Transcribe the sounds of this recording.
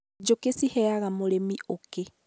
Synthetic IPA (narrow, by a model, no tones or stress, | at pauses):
d͡ʒokesihɛaɣamoɾemioke